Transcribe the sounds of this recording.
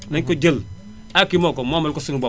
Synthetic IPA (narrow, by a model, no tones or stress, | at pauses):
neŋkod͡ʒel | akimokomamalkosuŋba